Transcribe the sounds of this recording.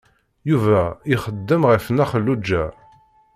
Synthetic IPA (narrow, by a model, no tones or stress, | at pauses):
juvæiχəd̪ːəmʁəfnæχəlːud͡ʒːæ